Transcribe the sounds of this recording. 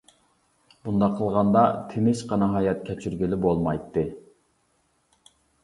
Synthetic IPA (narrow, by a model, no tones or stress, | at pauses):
b̥und̪ɑqʰəlˠʁɑnd̪ɑt̪ʰɪnɪʃqɑnɨɦɑːjɛt̪kʲʰɛt͡ʃʰyɾɡʲilɪbolˠmɑjt̪ːɨ